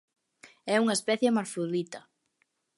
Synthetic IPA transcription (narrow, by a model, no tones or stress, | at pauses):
ɛuŋaespɛθjamaɾfuðit̪a